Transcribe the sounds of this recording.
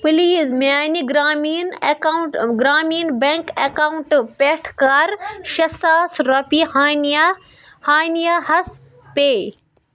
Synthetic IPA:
piliːzmaːniɡɾaːmin | ɡɾaːmiːnbeŋkekauɳʈpeːʈʰkaːɾʃɐsaːsɾɐpi | haːnijahɐs | peː

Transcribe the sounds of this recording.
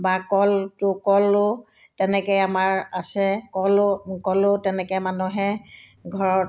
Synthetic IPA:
bakɔltʊkɔlʊ | tɛnɛkɔjamaɹasɛkɔlkɔlʊtɛnɛkɔmanuɦɛɡʱɔɹɔt

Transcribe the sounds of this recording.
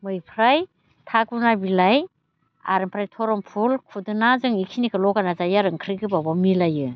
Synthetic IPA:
mɯjpʰɾaj | tʰaɡunabilaj | a̰ɾɯmpʰɾajtʰɔɾɔmpʰulkʰudɯnazɯŋikʰinikʰɯlɔɡanazajaɾɯŋkʰɾɯɡɯbabamilajɯ

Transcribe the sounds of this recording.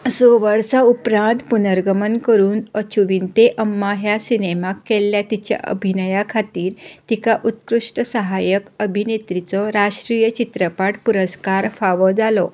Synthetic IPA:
soʋəɾsaupɾãnt̪punəɾɡəmənkəɾuːnət͡ɕuʋiːnt̪eʔəmːaɦjasinemakːelːjat̪it͡ɕja̰ʔə̰bʱinəjakʰat̪iːɾt̪ikaʔut̪kɾuʂʈəsəɦajəkəbʱinet̪ɾit͡sɔɾaʂʈɾijət͡ɕit̪ɾəpaʈpuɾəskaɾfaʋɔd͡zalɔ

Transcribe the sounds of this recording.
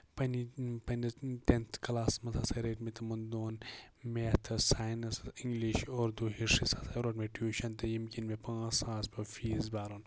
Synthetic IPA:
pɐnipɐnɐt̪ent̪ʰkɐlaːsmɐt̪ʰɐsɐɾeːʈmit̪ɐmɐnd̪oːn | met̪ʰɨsaːjnɐsiŋɡliʃoːɾd̪uːɦiʂisɐsʰɐɾoʈmeʈʰjuːʃɐnt̪ɨjimkinmepãːsãːspɐfiːzbaːɾoːn

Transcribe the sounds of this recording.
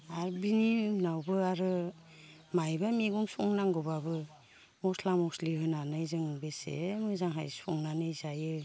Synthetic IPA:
aɾbiniɯnawbɯaɾɯ | majbameɡumsɔŋnaŋɡɯbabɯ | mɔslamɔsliɦɯnanɯjzɯŋbesḛmɯzaŋɦajsɔ̰ŋnanɯjzajɯ

